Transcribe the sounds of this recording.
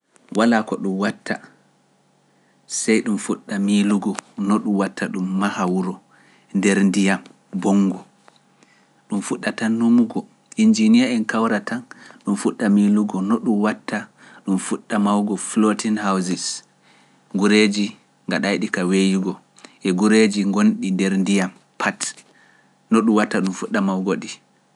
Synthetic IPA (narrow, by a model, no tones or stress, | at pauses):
walakɔɗumwatːa | sajɗumfuɗːamiluɡɔnɔɗumwatːaɗumːahawuɾɔ | ndɛɾndijam | bɔŋɡɔ | ɗumfuɗːatanːumuɡɔ | ʔind͡ʒinijaɛnkawɾatʰanɗumfuɗːamiluɡɔnɔɗumwatːa | ɗumfuɗːamawɡɔflotinhawzis | ɡuɾed͡ʒi | ŋɡaɗajɗikawejuɡɔ | ʔɛɡuɾed͡ʒiŋɡonɗindɛɾndijam | pʰat | nɔɗumwatːaɗumfuɗːamawɡoɗi